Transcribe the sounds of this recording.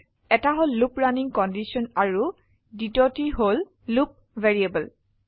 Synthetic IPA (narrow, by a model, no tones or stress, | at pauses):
ɛtaɦolːupɹaniŋkɔndisɔnaɹu | ditɔtiɦol | lup̚ | vɛɹiebəl